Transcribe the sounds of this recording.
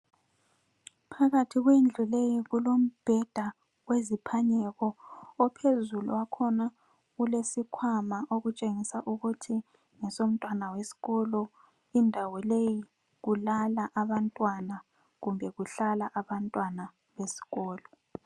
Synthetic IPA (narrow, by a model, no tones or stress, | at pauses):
pʰaɣatʰiɣwend͡ɮʱulejiɣulom̩b̥ʱɛd̥ʱa | wezipʰaɲɛɣɔɔpʰezuluwakʰɔna | ɣulesikʰwamaʔoɣut͡ʃʼeŋisaʔuɣutʰi | ŋɛsom̩tʼwanawesi̥ɣɔlɔ | indʱawɔleji | ɣulalaʔaβantʼwana | ɣumbʱɛɣuɬalaʔaβantʼwana | βesi̥ɣɔːlɔ